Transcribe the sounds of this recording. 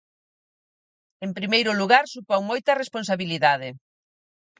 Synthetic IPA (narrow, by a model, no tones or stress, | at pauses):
empɾimejɾʊluɣaɾsupoŋmojt̪ɐresponsaβiliðaðɪ